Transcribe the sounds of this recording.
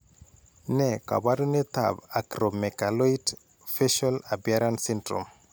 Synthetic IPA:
nɛka̰baduneta̰bakɾomɛkaloit | feʃalabjaɾansintɾo̰m

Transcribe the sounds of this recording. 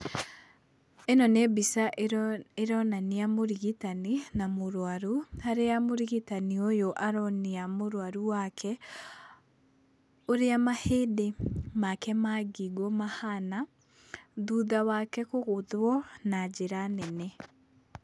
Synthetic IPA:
enɔnebisaʔeɾɔnaneamoɾiɣitaninamoɾwaɾuhaɾeamoɾiɣitaniojoʔaɾɔneamoɾwaɾuwakʰɛ | oɾeamahedemakɛmaɡiɡɔmahana | ðuːðawakɛkoɣoðwɔnad͡ʒeɾanɛne

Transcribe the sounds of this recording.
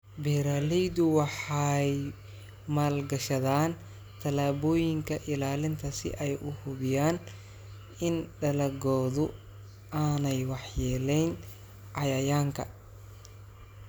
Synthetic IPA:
bɛɾaːlɛjd̪ʊwɑħɑj | maːlɡɐʃɐðaːn | t̪ʰɐlaːβɔːjɪŋkʰɐʔɪlaːlɪnt̪ʰɐsɪ̰ʔɛjʔʊhʊβɪjaːn | ɪnɖɐlɐɡɔːðʊ | ʔaːnɛjwɑħjɛːlɛjn | ʕɑjɐjaːŋkʰɐ̰

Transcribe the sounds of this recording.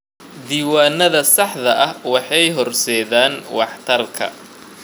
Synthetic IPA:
d̪iːwaːnːɐðɐsɑħðɐʔɐhwɑħɑjɦɔrsɛːðaːnwɑħt̪ʰɐrkʰɐ̰

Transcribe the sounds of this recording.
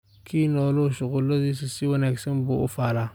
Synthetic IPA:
kʰiːnɔloʃʊɣʊlːɐdis̬isiwɐnaksɐnbʊʔʊfaːla

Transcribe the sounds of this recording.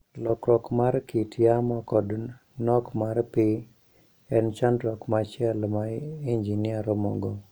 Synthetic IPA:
lɔkɾɔkmaɾkitjamɔkɔd | nɔkmaɾpɪ | ɛnt͡ʃandɾɔkmat͡ʃɛlmaind͡ʒiniaɾɔmɔ̰ɡɔ

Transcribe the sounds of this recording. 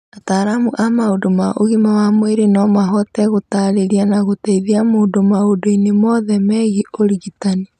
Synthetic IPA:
ataːɾamuʔamaodomaʔo̰ɣimawamweɾenɔmaɦɔtɛɣotaːɾeɾianaɣotaiðiamoːdomaodoinemɔðɛmɛɣiʔoɾiɣitani

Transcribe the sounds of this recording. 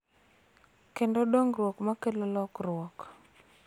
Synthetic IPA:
kendodoŋrwɔkmakelɔlɔkrwɔk

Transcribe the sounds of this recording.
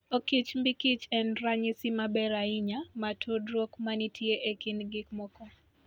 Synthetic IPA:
okit͡ʃmbikit͡ʃɛnɾaɲɪsɪmabɛɾaɪɲamatʰudɾokmanitʰjeʔekinɡɪkmɔkɔ

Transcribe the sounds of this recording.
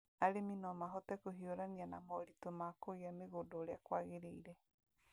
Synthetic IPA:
aɾeminɔmaɦɔtɛkoɦioɾanianamɔɾitomaːkoɣeameɣodɔɾeakwaɣeɾeiɾɛ

